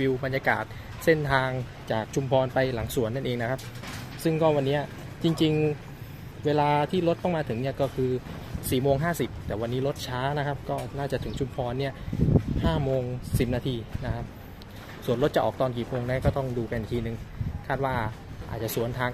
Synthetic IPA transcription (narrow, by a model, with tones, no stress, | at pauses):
wi˧wba˧njaː˧ka̰ː˨˩t̪̚ | se˥˩nt̪ʰaː˧ŋ | t͡ɕaː˨˩k̚t͡ɕʰu˧mpʰɔː˧npa˧jla˩˦ŋsu˨˩˦ənːa˥˩nʔeː˧ŋna˦˥kʰa˦˥p̚sɯ˥˩ŋkɔː˥˩wa˧nːiː˦˥ɐ | t͡ɕi˧ŋt͡ɕi˧ŋ | weː˧laː˧t̪ʰiː˥˩ɾo˦˥t̪̚ːɔ˥˩ŋmaː˧t̪ʰɯ˩˦ŋni˥˩ɐkɔː˥˩kʰɯː˧ | siː˨˩moː˧ŋɦaː˥˩si˨˩p̚t̪ɛː˨˩wa˧nːiː˦˥ɾo˦˥t̪̚t͡ɕʰaː˦˥na˦˥kʰa˦˥p̚kɔː˥˩naː˥˩t͡ɕa˨˩t̪ʰɯ˩˦ŋt͡ɕʰu˧mpʰɔː˧nːi˥˩ɐhaː˥˩moː˧ŋsi˨˩p̚naː˧t̪ʰiː˧na˦˥kʰa˦˥p̚ | su˨˩ənɾo˦˥t̪̚t͡ɕa˨ʔɔ̰ː˨˩k̚t̪ɔː˧nkiː˨˩moː˧ŋna˦˥kɔː˥˩t̪ɔ˥˩ŋduː˧ka˧ni˨˩t̪ʰiː˧nɯ˨ŋkʰaː˥˩t̪̚waː˥˩ | ʔaː˨˩t̪̚t͡ɕa˨˩su˨˩˦ənt̪ʰaː˧ŋ